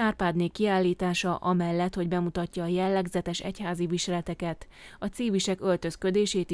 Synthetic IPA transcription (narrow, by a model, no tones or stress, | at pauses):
aːrpaːd̪neːkːiaːlːiːt̪aːʃɒʔɒmɛlːɛt̪ho̞ɟbɛmut̪ɒcːɒːjɛlːɛɡzɛt̪ɛʃɛ̰chaːziviʃɛlɛt̪ɛkɛt̪ | ɒt̪siːviʃɛkølt̪ø̞skød̪eːʃeːt̪